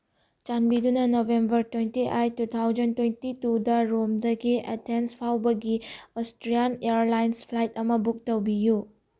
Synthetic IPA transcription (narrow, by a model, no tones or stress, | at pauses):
t͡ʃanbidunɐnobʱembɐɾtwentiʔajtut̪ʰawd͡ʒɐntwentitudɐɾomdɐɡiḛtʰenspʰawbɐɡiostɾianeɾlajnspʰlajtɐmɐbuk̚tɐwbiju